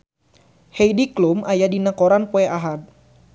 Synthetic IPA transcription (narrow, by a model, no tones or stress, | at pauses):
hɛjdiklumajadinakɔɾanpoɛaɦad̪̚